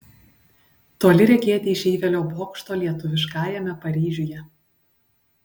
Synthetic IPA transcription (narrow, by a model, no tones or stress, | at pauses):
t̪oːlʲɪɾʲɛɡʲeːt̪ʲɪɪʃʲiːʋʲɛlʲoːboːkʃt̪oːlʲiɛt̪ʊʋʲɪʃkɑːjɛmʲɛpɐɾʲiːʒʲʊjɛ